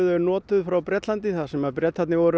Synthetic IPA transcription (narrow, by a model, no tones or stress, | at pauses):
ðʏnɔːt̪ʏðfɾawpɾɛt̪lant̪ɪθasɛmaðpɾjɛt̪hat̪nɪɣvɔɾʏ